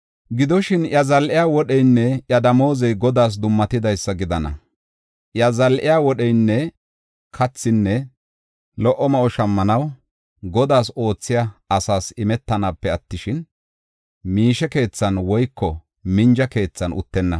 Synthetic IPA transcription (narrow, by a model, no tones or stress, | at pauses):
ɡɪd̪ɔʃɪnjɐzɐlʔɪjaːwɔɗɛjnːɛʔjɐd̪ɐmo̞ːzɛjɡɔd̪aːs̬d̪ʊmːɐt̪ɪd̪ɐjsːɐɡɪd̪ɐnɐ̰ | ʔjɐzɐlʔɪjaːwɔɗɛjnːɛ | kʰɐt͡sːɪnːɛ | lɔʔːɔmɐʔɔʃɐmːɐnɐw | ɡɔd̪aːso̞ːt͡sːɪjaɐsaːsɪmɛt̪ːɐnapːɛɐt̪ːɪʃɪn | miːʃɛke̞ːt͡sːɐnwɔjkːɔ | mɪnd͡ʒɐke̞ːt͡sːɐnʊ̰t̪ːɛnːɐ